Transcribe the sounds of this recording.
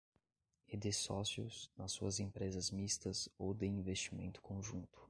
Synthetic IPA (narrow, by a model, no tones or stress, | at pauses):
ed̪esɔsiʊ̰znɐsːuɐzẽpɾezɐzmist̪ɐzowd̪ɪĩvest͡ʃimḛ̃nt̪ʊ̥kõʒũnt̪ʊ̥